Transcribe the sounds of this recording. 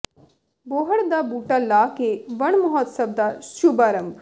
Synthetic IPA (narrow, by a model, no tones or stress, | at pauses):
boɦəɽd̪abuʈalːakeʋəɳmɔɦɔt̪sɐb̚d̪aʃubaːɾəmb